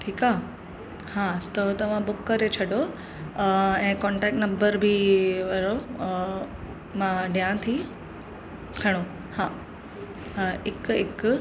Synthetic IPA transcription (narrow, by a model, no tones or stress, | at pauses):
ʈʰiːkaː | haːt̪ɐt̪ɐʋ̤ãbʊkːəɾet͡ɕʰɐɖo | ɛ̃ːkɔ̃ːɳʈɛːk̚ʈnɐ̃mbəɾbʱiʋɐɾo | mãɖijãt̪ʰi | kʰɐɽ̃o | haː | ɪkɪk